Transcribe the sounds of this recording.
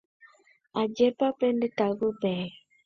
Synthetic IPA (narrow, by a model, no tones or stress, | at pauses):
ad͡ʒɛpapɛnditaɡubɛ